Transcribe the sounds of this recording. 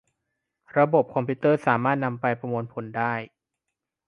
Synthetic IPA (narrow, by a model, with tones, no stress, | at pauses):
ɾa˧bo˨˩p̚kʰɔ˧mpʰi˦˥t̪ɤː˥˩saː˩˦maː˥˩t̪̚na˧mpa˧jpɾa˧moː˧npʰo˨˩˦ndaː˥˩j